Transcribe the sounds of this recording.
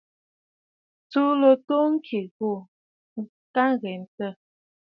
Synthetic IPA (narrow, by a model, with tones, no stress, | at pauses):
t͡su˦lo˨to˦ŋ̩˦kʰi˨ɣo˦˨ | ŋ̩˦ | ka˦ŋɣɛ˨n˨tə˦˨